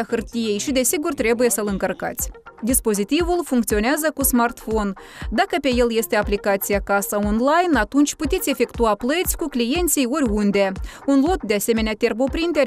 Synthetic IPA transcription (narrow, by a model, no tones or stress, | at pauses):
axɨrt̪ije̞jʃid̪e̞siɡurt̪ɾe̞buje̞səlɨŋkərka̰t̪sʲd̪ispo̞zit̪ivulfuŋkt̪sio̞neazəkusmart̪fo̞nd̪akəpe̞jelje̞st̪e̞aplikat̪sijakasəonlajnat̪unt͡ʃʲput̪ʲesʲje̞fe̞kt̪uaplət̪sʲkuklije̞nt̪sʲijoɾʲund̪e̞unlo̞t̪̚d̪ease̞me̞neat̪e̞rbo̞pɾint̪eɾʲ